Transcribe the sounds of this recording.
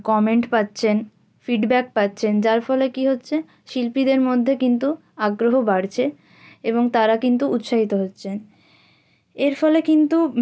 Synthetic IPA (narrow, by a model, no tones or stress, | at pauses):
kɔmeɳʈpat̪ːɕʰen | fiɖbɛk̚pat̪ːɕʰend͡ʑaɾfɔlekiɦotːɕʰe | ʃilpid̪eɾmod̪ʱːekint̪u | aɡɾoɦobaɽt͡ɕʰe | eboŋt̪aɾakint̪uʔut̪ʃaɦit̪oɦotːɕʰen | eɾfɔlekint̪u